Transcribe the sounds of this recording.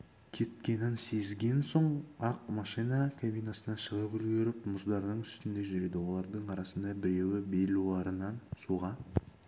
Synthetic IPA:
kʲʰe̞t̪̚kʲe̞nɪnse̞zɡʲe̞nso̞ɴɑqmɑʃijnɑkʰabijnɑsənɑʃəʁəpʏlɡʲeɾɪpmʊzd̪ɑɾnəɴʏst̪ɪnd̪e̞ʒʏɾe̞d̪ɪwo̞lˠɑɾd̪əɴɑɾɑsənd̪ɑbɪɾe̞wɪbe̞luɑɾənɑnsuʁɑ

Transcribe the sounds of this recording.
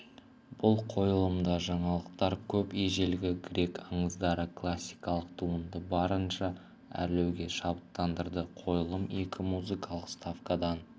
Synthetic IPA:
b̥ʊlˠqʰo̞jəlˠəmd̪ɑʒɑɴɑlˠəq̚t̪ɑɾkʲʰɵpeʒe̞lɡʲɪɡɾʲe̞kɑɴəzd̪ɑɾəkʰlˠasʲːijkɑlˠəq̚t̪ʰuənd̪əbɑɾənʃɑ | æ̰ɾlewɡʲe̞ʃɑbət̪ːɑnd̪əɾd̪əqʰo̞jəlˠəme̞kʲʰɪmuzɨkɑlˠəqst̪afkad̪ɑn

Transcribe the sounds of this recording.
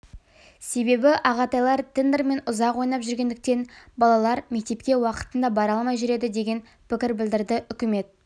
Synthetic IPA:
se̞be̞bɪʔɑʁɑt̪ɑjlˠɑɾt̪ʲʰɪnd̪eɾme̞nʊzɑqwojnɑpʒʏɾɡʲe̞nd̪ɪk̚t̪e̞nbɑlˠɑlˠɑɾme̞k̚t̪e̞pkʲe̞wɑqə̥t̪ənd̪ɑbɑɾɑlˠmɑjʒʏɾe̞d̪ɪd̪e̞ɡʲe̞n | pʰɪkʲɪɾbɪld̪ɪɾd̪ɪʔʏkʲɪme̞t̪̚

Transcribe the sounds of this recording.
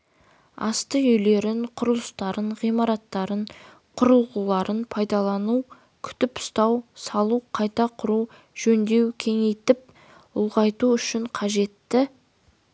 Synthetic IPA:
ɑ̰st̪əʏjle̞ɾɪɴqʰʊɾəlˠəst̪ɑɾəɴʁijmɑɾɑt̪ːɑɾəɴ | qʰʊɾəlˠʁulˠɑɾənpʰɑjd̪ɑlˠɑnu | kʲʰʏ̥t̪ɪpʊ̥st̪ɑwsɑlˠuqʰɑjt̪ɑqʰʊɾu | ʒ̥ɵnd̪e̞wkʲʰe̞ŋe̞jt̪ɪp̚ | ʊlˠʁɑjt̪uʏʃɪɴqʰɑʒe̞t̪ːɪ

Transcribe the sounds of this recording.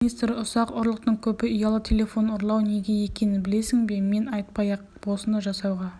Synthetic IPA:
ijst̪ɾɪʊsɑqʊɾlˠəq̚t̪əɴkʲʰɵpɪijɑlˠət̪ʲʰe̞lʲe̞fo̞noɾlˠɑwne̞ɡʲeje̞kʲe̞nɪnbɪle̞sɪŋbe̞me̞nɑjt̪̚pɑjɑq̚ | b̥o̞lˠsənd̪ɑʒɑsɑwʁɑ

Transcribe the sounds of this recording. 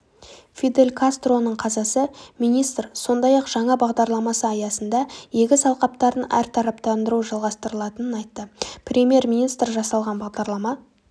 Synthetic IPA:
fʲid̪e̞lʲkʰast̪ro̞nəɴqʰɑzɑsəmijnijst̪rso̞nd̪ɑjɑqʒ̥ɑɴɑbɑʁd̪ɑɾlˠɑmɑsəɑjɑsənd̪ɑjekʲɪsɑlˠqɑp̚t̪ɑɾənæ̰ɾt̪ʰɑɾɑpt̪ɑnd̪əɾuʒɑlˠʁɑst̪əɾəlˠɑt̪ənənɑjt̪ːəprʲemʲje̞rmʲinijst̪rʒɑsɑlˠʁɑnbɑʁd̪ɑɾlˠɑmɑ

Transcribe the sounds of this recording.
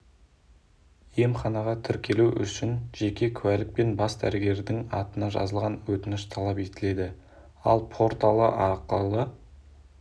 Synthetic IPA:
je̞mχɑnɑʁɑt̪ʰɪɾkʲe̞luʔʏ̰ʃɪnʒ̥e̞kʲe̞kʲʰwælɪk̚pe̞nbɑsd̪æ̰ɾɪɡʲe̞ɾd̪ɪŋɑ̰t̪ənɑʒɑ̰zəlˠʁɑnwɵt̪ɪnɪʃt̪ʰɑlˠɑpe̞t̪ɪle̞d̪ɪ | ɑ̰lˠpʰo̞ɾt̪ɑlˠə̰ʔɑɾqəlˠə

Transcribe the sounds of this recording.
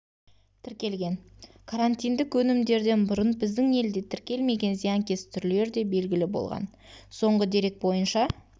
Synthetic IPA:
t̪ʰɪɾkʲe̞lɡʲe̞n | kʰaɾant̪ijnd̪ɪkwɵnɪmd̪e̞ɾd̪e̞nbʊɾənbɪzd̪ɪŋe̞ld̪e̞t̪ʰɪɾkʲe̞lme̞ɡʲe̞nzijɑŋkʲe̞st̪ʰʏɾle̞ɾd̪e̞be̞lɡʲɪlɪbo̞̰lˠʁɑ̰n | so̞ɴʁəd̪e̞ɾe̞k̚bo̞jənʃɑ

